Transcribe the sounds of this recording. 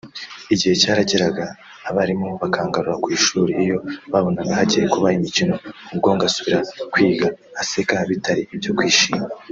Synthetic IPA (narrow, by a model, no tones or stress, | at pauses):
iɟihe̞caːɾaɟeɾaɡaː | βaɾimoβakʰaːŋɡaɾuɾakwiːʃuːɾiːjo̞βaβo̞naɡahaɟijekuβaimicino̞ubɡo̞ːŋɡasuβiɾakwiːɡaːse̞kaβitaɾiibjo̞kwiːʃiːme